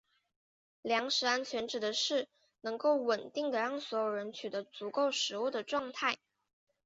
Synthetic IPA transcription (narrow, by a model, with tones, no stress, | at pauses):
ljɑ˧˥ŋʂɻ̩˧˥a˥nt͡ɕʰɥɛ˧˥nʈ͡ʂɻ̩˨˩d̪ə˦ʂɻ̩˥˩ | nɤ˧˥ŋko˥˩ʊwə˨˩nt̪i˥˩ŋd̪ə˩ɻɑ˥˩ŋswɔ˧˥jo˨˩ʊɻə˧˥nt͡ɕʰy˨˩d̪ə˧˦˥t͡su˧˥ko˥˩ʊʂɻ̩˧˥u˥˩d̪ə˩ʈ͡ʂwɑ˥˧ŋt̪ʰa˥˩ɪ